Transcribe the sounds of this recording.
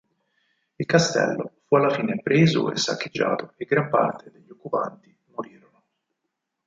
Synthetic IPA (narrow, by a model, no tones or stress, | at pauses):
ilkast̪ɛ̰lːofualːafiːnepɾʔeːzo̰ḛsːa̰k̟ːed͡ʒːa̰ːt̪oeɡːɾampa̰rt̪ʰed̪eʎːiokːupa̰nt̪i | moɾiːɾono